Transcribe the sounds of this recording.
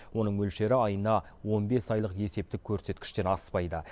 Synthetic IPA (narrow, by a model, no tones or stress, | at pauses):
wo̞nəɴmɵlʃe̞ɾɪɑjənɑwo̞nbe̞sɑjlˠəqe̞se̞p̚t̪ɪkʲʰɵɾse̞t̪kʲɪ̥ʃt̪e̞ɾɑspɑjd̪ə